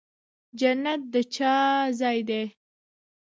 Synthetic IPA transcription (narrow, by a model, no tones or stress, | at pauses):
d͡ʒanːat̪̚d̪ət͡ʃɑzɑjd̪e